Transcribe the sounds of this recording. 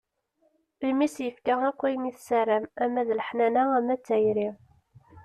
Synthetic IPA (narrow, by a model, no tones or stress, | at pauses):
imisjəfkæækʷːæjmiθsæɾæmæmæðləħnænææmæt͡sːæjɾi